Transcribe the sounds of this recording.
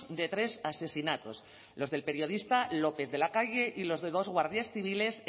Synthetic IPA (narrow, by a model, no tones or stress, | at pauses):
d̪e̞t̪ɾe̞sase̞sinat̪o̞s | lo̞zðe̞lpe̞ɾjo̞ðist̪alo̞pe̞θðe̞lakaʝe̞ʔilo̞zðe̞ðo̞zɣwaɾðjasθiβ̞ile̞s